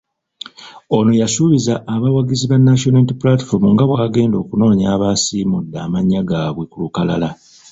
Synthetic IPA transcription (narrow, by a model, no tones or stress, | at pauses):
o̞no̞jasuβizaʔːβawaɡiziβanːaʃonatiplati̥fo̞ɾmuŋɡaβwaːɡe̞ːndo̞ːkuno̞ːɲaːβaːsiːmudːaːmaɲːaɡaːβwekulukala̰la